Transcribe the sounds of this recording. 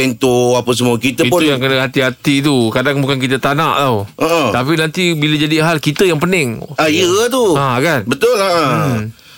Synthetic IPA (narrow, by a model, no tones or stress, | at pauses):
ɛnt̪oapəs̬əmũakit̪əitpʊujaŋkənəɦat̪iɦat̪it̪̬ukadaŋbukank̬it̪ət̪anaʔt̪awəʔət̪apinant̪ibiləd͡ʒadiɦalkit̪əjaŋpənɪŋaiət̪uakanbət̪ʊləʔə